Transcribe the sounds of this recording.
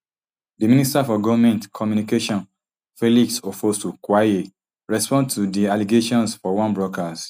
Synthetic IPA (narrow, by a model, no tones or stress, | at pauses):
dimĩnistaɔfɔɡɔvmɛ̃ntkʰɔmjunikeʃɔ̃n | feliksofostukwae | ɹɛspɔ̃ndtudialiɡeʃɔ̃nsfɔwɔ̃nbɹɔkas